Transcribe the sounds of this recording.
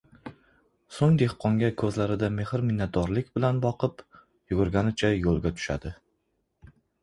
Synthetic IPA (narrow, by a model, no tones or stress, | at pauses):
soŋd̪e̞hqʰɒŋɡʲakʰɵzlaɾɪd̪ame̞hɾmɪnːat̪̚d̪ɒɾlɪkʲbɪlanbɒqʰɨp | jʊɡʊɾɡʲanɪt͡ʃʰajolˠɡʲat̪ʰʊ̥ʃa̰d̪ɪ